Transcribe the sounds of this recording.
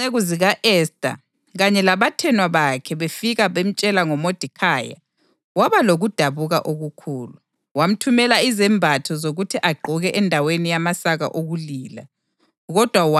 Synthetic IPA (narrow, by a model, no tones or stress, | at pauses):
eɣuziɣaʔɛstʼa̰ | ɣaɲɛlaβatʰɛnwaβakʰɛβefiɣaβem̩t͡ʃʼɛlaŋɔmod̥ʱikʰaːja̰ | waβaloɣud̥ʱaβuɣa̰ʔoɣukʰuːlu | wam̩tʰumɛlaizɛmbʱatʰɔzoɣutʰiʔaɡ͡ǃʱuɣɛʔɛndʱawenijamasaɣa̰ʔoɣuliːla̰ | ɣɔd̥ʱwawa